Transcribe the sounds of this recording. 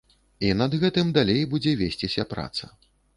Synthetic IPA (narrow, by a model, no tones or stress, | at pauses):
inɐd̪ɣɛt̪ɨmd̪alʲejbud͡zʲɛvʲesʲt͡sʲisʲɐpɾa̰t̪sɐ̰